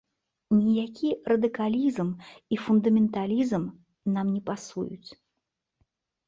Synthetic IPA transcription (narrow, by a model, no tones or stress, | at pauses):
nʲijakʲirɐd̪ɨkalʲizmifund̪ɐmʲɛnt̪alʲizm | namnʲɛpasṵjṵt͡sʲ